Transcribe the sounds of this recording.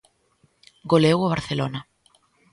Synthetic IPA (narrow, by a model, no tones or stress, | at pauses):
ɡolewaβaɾθelonɐ